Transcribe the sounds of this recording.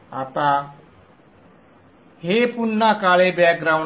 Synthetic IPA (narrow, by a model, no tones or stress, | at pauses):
at̪a | hepunːakaɭebjak̚ɡɾaw